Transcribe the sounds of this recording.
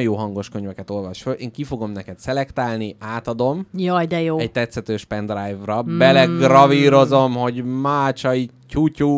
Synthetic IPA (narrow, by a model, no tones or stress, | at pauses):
joːɦɒŋɡo̞ʃkøɲvɛkɛt̪o̞lvɒʃføleːŋkifo̞ɡo̞mnɛkɛt̪sɛlɛkt̪aːlniaːt̪ɒd̪o̞mjɒd̪ɛjoːɛɟ̚t̪ɛt̪sɛt̪øːʃpɛnd̪rajvrɒbɛlɛɡrɒviːɾo̞zo̞mho̞ɟmaːt͡ʃɒi | t͡ʃucu